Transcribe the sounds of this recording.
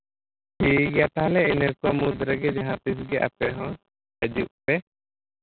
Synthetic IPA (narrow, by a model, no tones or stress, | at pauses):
hiɡjat̪aɦlɛinəɾkɔwamud̪ɾəɡɛd͡ʒaɦãt̪is̬ɡɛʔa̰pɛɦɔ̃ | əd͡ʒuʔ̚pɛ